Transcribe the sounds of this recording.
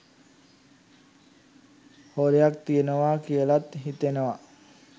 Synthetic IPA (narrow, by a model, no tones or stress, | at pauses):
hoɾejak̚t̪ijənəʋaːkijəlat̪ɦit̪enəʋa